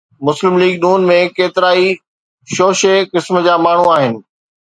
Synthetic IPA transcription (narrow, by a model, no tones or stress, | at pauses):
mʊslɪmliːɡnuːnmẽkeːt̪ɪɾaːi | ʃoːʃekɪsmd͡ʑaːmaːɳ̤uaːɦɪnɪ̆